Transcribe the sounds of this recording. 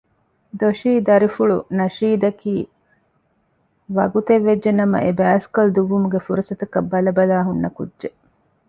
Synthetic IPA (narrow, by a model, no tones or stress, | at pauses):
d̪oʃiːd̪ɐɾifuɭṵnɐʃiːd̪ɐkiː | ʋɐɡut̪eʋːed͡ʒʒenɐmɐ̰ʔebæːskold̪uʋːumuɡefuɾusɐt̪ɐkɐbːɐlɐbɐlaːɦunːɐkṵdʒe